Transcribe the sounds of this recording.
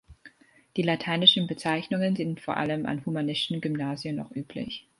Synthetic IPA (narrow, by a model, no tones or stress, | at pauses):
d̥iːlatʰaɪnɪʃn̩bət͡saɪçnʊŋənzɪntfoːɐʔa̰ləmʔa̰nhumanɪstn̩ɡymnaːzjəmnɔ̰χʔyːpʰlɪ̰ç